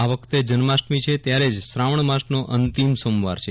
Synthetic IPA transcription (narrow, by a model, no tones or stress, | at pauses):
aʋəkʰt̪ed͡ʒənmasʈmit͡ʃʰet̪jaɾed͡ʒsɾaʋəɳmasʈnoʔənt̪imsoːmʋa̰ɾt͡ʃʰe